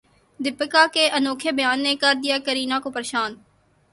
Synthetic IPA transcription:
d̪ɪpːəkaːkeːʔənoːkʰebəjaːnːekəɾd̪ijaːkəɾiːnãkopəɾeːʃaːn

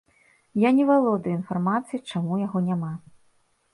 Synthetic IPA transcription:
janʲɛvalˠɔd̪ɨinfarmat̪sɨjit͡ʂamujaɣɔnʲama

